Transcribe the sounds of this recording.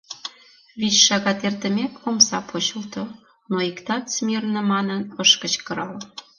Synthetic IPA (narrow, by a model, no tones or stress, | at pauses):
βit͡ɕʃɑɣɑt̪ert̪ə̆mʲekomsɑpʰot͡ɕəlt̪o | noikt̪ɑt̪smʲirnə̆mɑnənəʃkə̆t͡ɕkə̆ɾɑl